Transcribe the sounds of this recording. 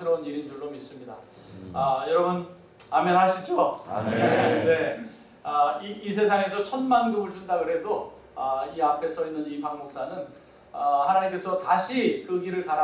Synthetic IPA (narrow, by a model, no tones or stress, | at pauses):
ɯɾʌuniɾind͡ʑuɭːomis͈ɯmɲida | ʌjʌɾʌbun | amjʌnɦaɕʰit͡ɕ͈o̰ | ne̞ | ʌiːsʰe̞sʰaŋe̞sʰʌt͡ɕʰʌnmanɡumɯɭt͡ɕundaɡɯɾɦe̞do | ʌiapʰe̞sʰʌinːɯnipaŋmok̚s͈anɯn | ʌhanaɲimk͈e̞sʰʌtaɕʰikɯɡiɾɯɭkaɾa